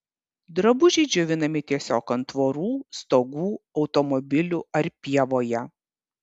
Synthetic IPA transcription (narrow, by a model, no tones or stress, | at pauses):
d̪ɾɐbʊʒʲɛɪd͡ʒʲʊʋʲɪnɐmʲɪt̪ʲiɛsʲoːkɐnt̪ʋoːɾuːst̪oːɡuːɒʊt̪ɔmɔbʲɪlʲuɐɾpʲiɛʋoːjɛ